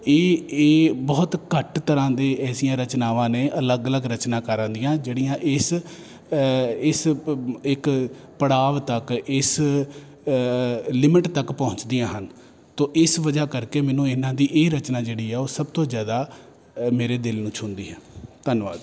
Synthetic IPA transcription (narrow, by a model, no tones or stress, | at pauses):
eː | bɔːt̪kəʈt̪əɾãːd̪eːɛːsijãːɾət͡ʃnaːʋãːneːʔələɡələɡɾət͡ʃnãːkəɾãːnd̪ijãːd͡ʒeːɽijãːʔɪs | ɪsɪk | pəɽaːʋt̪əkɪs | lɪmɪʈt̪əkpɔ̃ːɲt͡ʃd̪ijãːɦən | t̪õːʔɪsʋəd͡ʒaːkəɾkeːmɛ̃ːnũːɪnãːd̪iːʔeːɾət͡ʃnaːd͡ʒeːɽiːɛːoːsəb̚t̪õːzjaːd̪aː | meːɾeːd̪ɪlnũːt͡ʃʰʊ̃nd̪iːɦɛ̃ːd̪ənʋa̰ːd̪